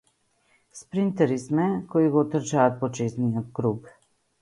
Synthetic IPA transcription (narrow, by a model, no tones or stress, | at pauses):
spɾint̪ɛɾismɛkɔjiɡɔt̪əɾt͡ʃat̪̚pɔt͡ʃeːzniɔkɾuːk